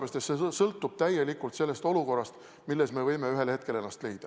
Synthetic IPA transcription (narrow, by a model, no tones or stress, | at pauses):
est̪et̪sesɤlt̪ːˑub̥̚t̪æjelikːˑult̪se̞lːest̪o̞luko̞rːɑst̪ | milːe̞sme̞vɤjmeyɦe̞lhe̞t̪̚ke̞le̞nːɑst̪le̞jd̪̥ɑ